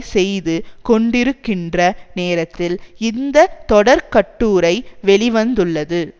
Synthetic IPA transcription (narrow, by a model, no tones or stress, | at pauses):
sɛjðɯkɔɳɖɪɾɯkːɪndrɐneːɾɐt̪ːɪlɪnd̪ɐt̪ɔɽɐɾkɐʈːuːɾɐɪʋɛɭɪʋɐnd̪ɯɭːɐðɯ